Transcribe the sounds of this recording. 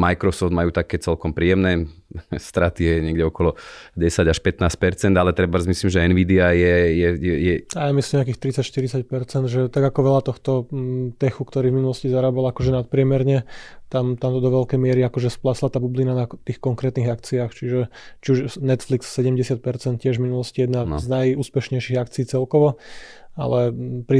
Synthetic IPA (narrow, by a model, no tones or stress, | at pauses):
majkɾɔsɔfd̪majuːt̪akɛːt͡sɛlkɔmpɾiːɛmnɛːst̪ɾat̪ijɛɲɪɛɡɟɛɔkɔlɔɟɛsaɟaʃpɛt̪naːsc̚pɛɾt͡sɛnd̪alɛt̪ɾɛbazmisliːmʒɛɛnʋiːd̪iajɛjɛjɛjɛajamislimɲak̬iːxt̪ɾit͡sacʃt̪iɾit͡sac̚pɛɾt͡sɛnd̪ʒɛt̪aɡakɔʋɛʎat̪ɔxt̪ɔt̪ɛxukt̪ɔɾiːvminulɔscizaɾaːbalakɔʒɛnat̪̚pɾɪɛmɛɾɲɛt̪amt̪amt̪ɔd̪ɔʋɛʎkɛjmɪɛɾiakɔʒɛsplaslat̪aːbublinanat̪iːxkɔŋkɾɛːt̪niɣakt͡siaːxt͡ʃiʒɛt͡ʃiuʒnɛt̪flikssɛɟɛmɟɛsɪat̪̚pɛɾt͡sɛnt̪̚cɪɛʒvminulɔscijɛd̪na̰znajuːspɛʃɲɛjʃiɣakt͡siiːt͡sɛlkɔʋɔa̰lɛpɾi